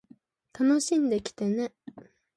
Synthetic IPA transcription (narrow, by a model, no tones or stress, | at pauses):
t̪anoɕĩnd̪e̞kʲi̥t̪e̞ne̞